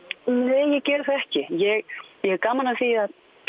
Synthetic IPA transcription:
neːjɛɣcɛːɾθɛhcɪjɛɣjɛɣkaːmalnaθiːjɪðað

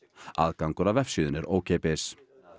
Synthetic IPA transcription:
a̰ːðkaŋkʏɾavɛfsʏːðʏnɛɾo̰ːwcʰɛːpɪs

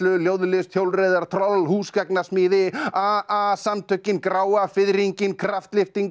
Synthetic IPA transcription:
lʏljowðlɪst̪ʰjowlrejðaɾ̥t̪ʰɾɔlhuːskaknasmɪːðɪaasamt̪ʰʏcːɪnkɾaːwafɪðɾiɲcɪnkʰɾaft̪lɪft̪iŋ

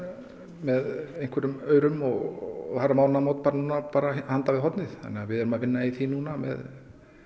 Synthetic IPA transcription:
mɛðejŋ̥kvɛɾʏmœːɥɾʏmɔɣθaramaːwnamowt̪paːɾanuːnapaːɾahant̪avɪðɦɔt̪nɪðθa̰nːɛːavɪðɛɾʏmavɪnːaiθinuːnamɛ̰ð

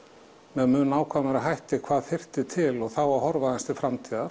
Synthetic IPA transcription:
mɛmʏːnnaːwkʰvaːmaɾaɦajht̪ɪkʰv̥aːðfɪr̥t̪ɪt̪ʰɪlɔɣθawahɔɾvaðɪnst̪ɪfɾamt̪ʰiːðaɾ̥

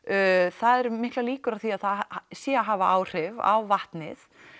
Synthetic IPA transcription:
θaðɛɾmɪht̪laliːkʏɾaðθiaðθaðsjɛaɦaːvaaːwr̥ɪva̰wvaht̪nɪθ

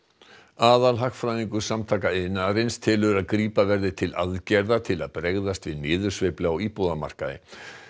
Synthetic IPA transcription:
aːðalɦaxfɾajniŋkʏsamt̪ʰaːkaɪnaɾɪnst̪ʰɪlʏɾaðkɾiːpavɛɾðɪt̪ʰɪlʔa̰ðcɛɾðat̪ʰɪla̰ðpɾɛɣðast̪vɪðnɪːðʏ̥svejplawipoːðama̰r̥ka̰ðɪ̰

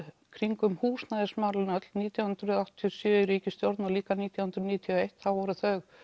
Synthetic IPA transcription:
kʰɾiŋkʏmhuːsnaðɪsmawlɪnat̪lniːt̪jawhʏnt̪ɾʏðawht̪ʰːijɔsjœːɾiːcɪst̪joɾt̪naliːkaniːt̪jawhʏnɾʏniːt̪ʰjɔejht̪θawvɔɾʏθœx

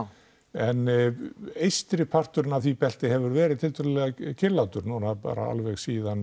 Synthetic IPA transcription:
ɛnː | ejst̪ɾɪpʰar̥t̪ʏɾɪnavθipɛl̥t̪ɪɦɛvʏɾvɛːɾɪðt̪ʰɪlt̪ʰœɾllɛɣacʰɪlːawt̪ʏɾnɔnapa̰ːɾa̰a̰lvɛɣsiːðan

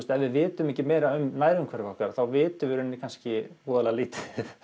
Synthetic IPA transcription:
st̪ɛvɪðvɪːt̪ʏmɛhcɪmɛːjɾaʏmnaːjɾʏmkʰvɛɾɔhkaɾθawvɪːt̪ʏvɪɾʏnːɪkʰanscɪpuːðalɛɣaliːt̪ɪ̥

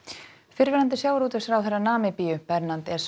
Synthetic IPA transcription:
fɪɾvɪɾant̪̬ɪsjaːwɾuːt̪ɪsaɾawθɛrːanaːmɪpiːjʏpɛɾnant̪ɛs

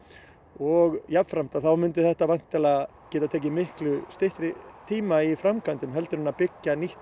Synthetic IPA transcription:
ɔɣjapfɾam̥t̪aθawmʏnt̪ɪθɛht̪avajŋ̥t̪ɛla | cɛːt̪at̪ʰɛːc̬ɪmɪhklʏst̪ɪht̪ɾɪt̪ʰiːmaifɾamkʰant̪ʏmɦɛlt̪ʏɾʏnapɪcːaniht̪

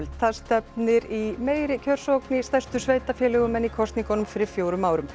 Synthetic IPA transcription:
lt̪ʰast̪ɛp̚nɪɾimeːjɾɪcʰœr̥sowknɪst̪ɛrst̪ʏsveːjt̪afjɛːlɛɣʏmɛnːikʰɔst̪niŋkɔnʏmfɪɾɪɾfjoːwɾʏmaːwɾʏm

